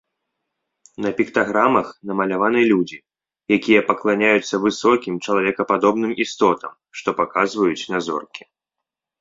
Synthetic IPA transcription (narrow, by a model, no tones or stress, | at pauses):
nɐpʲikt̪aɣɾamɐxn̪ɐmɐlʲavanɨjɛlʲud͡zʲi | jakʲijɐpɐklˠanʲajut̪sːɐvɨsɔkʲimt͡ʂɐlˠavʲɛkɐpad̪ɔbnɨmist̪ɔt̪ɐm | ʂt̪ɔpakazvɐjut͡sʲnazɔ̰rkʲi̥